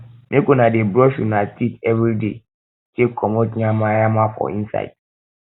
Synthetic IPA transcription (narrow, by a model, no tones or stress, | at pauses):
nẽkonãdebɾɔʃunãtʰitɛvɾide | tekʰɔmɔ̃tiãmãjamãfɔ̰ĩnsa̰d̥